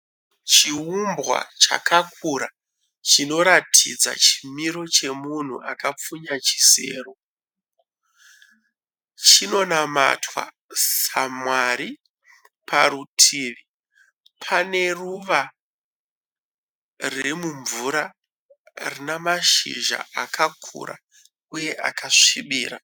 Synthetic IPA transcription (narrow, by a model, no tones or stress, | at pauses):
t͡ʃiumbɣa̰t͡ʃa̰kakuɾa | t͡ʃino̞ɾatʰid͡za̰t͡ʃi̥miɾo̞t͡ʃe̞mun̤ṵʔakap͡fuɲat͡ʃi̥se̞̰ːro̞ | t͡ʃino̞nama̰twa̰ | samwaɾi | pʰaɾutʰiːʋi | pʰane̞ruʋa | remuɱvuɾa | rinamaʃḭʒa̰akakʰṵɾa̰ | uje̞ʔakʰaʂiɓiːɾa